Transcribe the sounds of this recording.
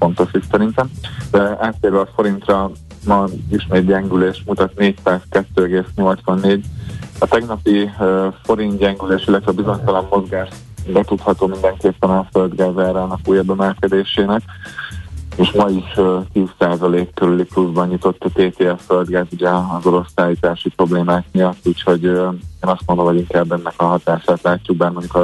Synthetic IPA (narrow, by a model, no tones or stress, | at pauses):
fo̞nt̪o̞ʃik̪sɛɾint̪ɛmd̪ɛaːt̪ːeːɾʋɛɒfo̞ɾint̪rɒ | mɒiʃmeːt̪ɟɛŋɡyleːʃmut̪ɒt̪neːcsaːzkɛt̪ːøːɛɡeːsɲo̞lt̪sʋɒnːeːɟɒt̪ɛɡnɒpifo̞ɾint̪ɟɛŋɡyleːʃilːɛt̪ʋɛːbizo̞ɲt̪ɒlɒmːo̞zɡaːʃt̪ | bɛt̪ut̪hɒt̪oːmind̪ɛŋkeːpːɛnɒføld̪ɡaːzaːɾaːnɒkuːjɛbɛmɛlkɛd̪eːʃeːnɛk | eːʃmɒiʃt̪iːssaːzɒleːkːøɾylipluzbɒɲɲut̪o̞t̪ːt̪eːt̪eːɛsføld̪ɡaːzuɟɛːzo̞ɾo̞saːliːt̪aːʃipɾo̞bleːmaːkmiɒt̪ːuːcho̞ɟeːnɒst̪mo̞nd̪omɦo̞ɟiŋkaːbɛnːɛkɒɦɒt̪aːʃaːt̪laːcːuɡ̚baːrmo̞ɲɟuk